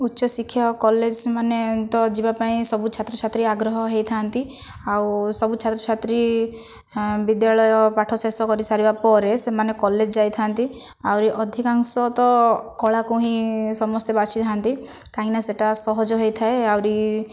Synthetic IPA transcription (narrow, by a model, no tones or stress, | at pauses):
utːʃɔsikʰːjɔkɔled͡ʒmanet̪ɔd͡ʒibapaĩsɔbut͡ʃʰat̪ɾɔt͡ʃʰat̪ɾiaɡɾɔɦɔɦejt̪ʰant̪i | awsɔbut͡ʃʰat̪ɾɔt͡ʃʰat̪ɾi | bid̪jaɭɔjɔpaʈʰɔsesɔkɔɾisaɾibapɔɾesemanekɔled͡ʒɔd͡ʒajt̪ʰant̪i | awɾiʔɔd̪ʱikaŋsɔt̪ɔkɔɭakuɦĩsɔmɔst̪ebat͡ʃʰit̪ʰant̪i | kaɦĩnaseʈasɔɦɔd͡ʒɔɦejt̪ʰaeawɾi